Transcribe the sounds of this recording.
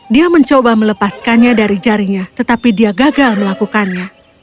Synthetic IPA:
diaməɲt͡ʃobamələpaskanɲadaɾid͡ʒaɾiɲat̪ət̪apidiaɡaɡalməlakukanɲa

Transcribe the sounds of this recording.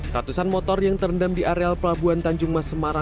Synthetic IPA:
rat̪usanmɔt̪ɔrjaŋt̪ərndamdiʔaɾealpəlabuant̪aɲd͡ʒʊŋmasəmaɾa

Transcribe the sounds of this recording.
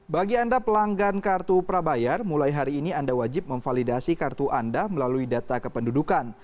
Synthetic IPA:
baɡiandapəlaŋɡankart̪upəɾabajarmulajɦaɾiːniandawad͡ʒɪp̚məŋfalidasikart̪uʔandaməlaluidat̪akəpəndudukan

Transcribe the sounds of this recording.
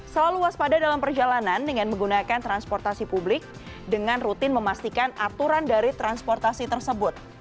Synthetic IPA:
səlaluwaspadadalampərd͡ʒalanandəŋanməŋɡunakant̪ɾanspɔrt̪asipublɪk̚ | dəŋanrut̪ɪnməmast̪ikanat̪uɾandaɾit̪ɾanspɔrt̪asit̪ərsəbʊt̪̚

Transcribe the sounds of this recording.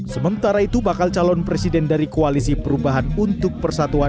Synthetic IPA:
səmənt̪aɾait̪ubakalt͡ʃalɔnpɾesidɛndaɾikoalisipəɾubaɦanunt̪ʊk̚pərsat̪ua

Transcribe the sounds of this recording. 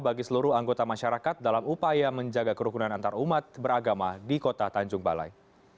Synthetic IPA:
baɡisəluɾʊɦaŋɡot̪amaʃaɾakat̪̚dalamupajaməɲd͡ʒaɡakəɾukunanant̪aɾaumat̪̚bəɾaɡamadikot̪at̪aɲd͡ʒʊŋba̰la̰j

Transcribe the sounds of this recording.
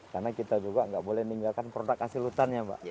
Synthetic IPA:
karnakit̪ad͡ʒuɡaŋɡaʔbolɛhniŋɡalkanpɾodakasilut̪anɲaba̰ʔʔ

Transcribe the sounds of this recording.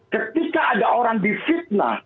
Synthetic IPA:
kət̪ikaʔːdaoɾaŋdifit̪̚na̰

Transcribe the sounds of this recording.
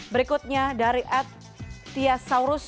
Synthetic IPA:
bəɾikʊt̪̚ɲadaɾiʔat̪̚ː | iasawɾʊs

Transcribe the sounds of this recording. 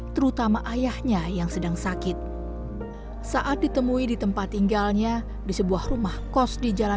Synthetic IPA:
t̪əɾut̪amaʔajahɲajaŋsədaŋsakɪt̪̚ | saʔat̪̚dit̪əmuidit̪əmpat̪ːiŋɡalɲa | disəbuahrumahkɔsdid͡ʒala

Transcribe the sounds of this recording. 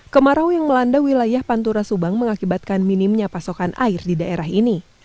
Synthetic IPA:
kəmaɾawjaŋməlandawilajahpant̪uɾasubaŋməŋakibat̪̚kanminimɲapasokanʔa̰ɪrdidaʔeɾaɦini

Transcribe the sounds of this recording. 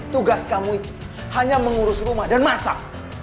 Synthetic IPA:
t̪uɡaskamuit̪u̥ | haɲaməŋuɾʊsrumahdanmasa̰

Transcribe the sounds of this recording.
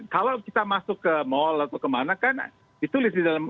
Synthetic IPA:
kalawkit̪amasʊkːəmɔlat̪awkəmanakan̰ | dit̪ulɪsdidalam

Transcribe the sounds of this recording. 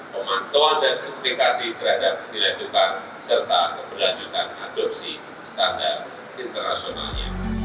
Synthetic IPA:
pəmant̪oandankɔmplikasit̪əɾhadap̚dilad͡ʒukan | sərt̪akəbərlaɲd͡ʒut̪anadɔp̚si | st̪andat̚ | int̪ərna̰siona̰lɲa̰

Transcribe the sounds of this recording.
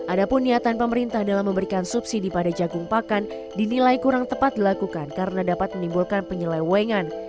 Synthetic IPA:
ʔadapʊnːiat̪anpəməɾint̪ahdalahməmbəɾikansupsidipadad͡ʒaɡʊŋpakan | dinilajkuɾaŋt̪əpat̪̚dilakukankaɾənadapat̪̚mənimbulkanpəɲəlawɛŋan

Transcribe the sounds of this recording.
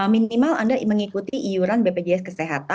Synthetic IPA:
əminimalandaməŋikut̪iʔijuɾanbeped͡ʒeɛskəseɦat̪a

